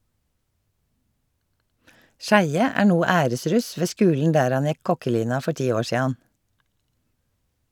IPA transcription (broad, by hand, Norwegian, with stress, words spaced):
ˈʃæɪə ˈæː ˈɳuː ˈæːɾəˌsɾʉs ˈʋeː ˈskʉːln̩ ˈdæːɾ ˈɑn ˈjɛk ˈkɔkəˌliːnɑ ˈfɔ ˈʈiː ˈoː ˈʃiːɑn